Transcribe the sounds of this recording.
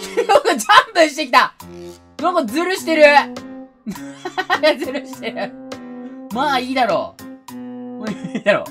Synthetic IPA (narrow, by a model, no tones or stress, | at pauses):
oɡad͡ʑãmpɯ̃ɕ̬i̥t̪ek̬ʲit̪a | nokozɨɾɯ̟ɕi̥t̪e̞ɾɯ̟ | maɡazɨɾɯɕi̥t̪eɾɯ̟ | maːiːd̪aɾo | moid̪aɾo̰